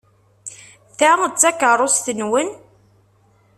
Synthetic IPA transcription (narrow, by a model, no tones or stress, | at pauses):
θæt͡sːækərˤosθənwən